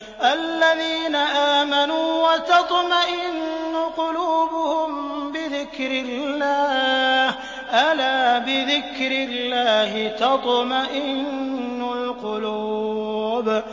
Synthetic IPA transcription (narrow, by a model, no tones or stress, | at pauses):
ʔalːaðiːnaʔaːmanuːwat̪ɑt̪ˤmaʔɪnːʊqʊluːbʊhʊmbɪðɪkɾɪlːaːh | ʔalaːbɪðɪkɾɪlːaːhɪt̪ɑt̪ˤmaʔɪnːʊlqʊlu | b